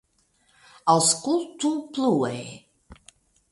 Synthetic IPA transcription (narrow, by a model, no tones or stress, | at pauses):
alˠskulˠtʰupʰluɛj